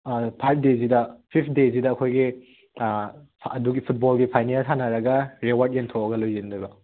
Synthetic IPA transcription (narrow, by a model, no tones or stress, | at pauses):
pʰajpʰdezidɐpʰipʰdezidɐːkʰojɡi | ɐduɡipʰut̚bɔlɡipʰajnelsʰanɐɾɐɡɐɾewaɾt̚entʰoɐɡɐlojzindɐɡɐ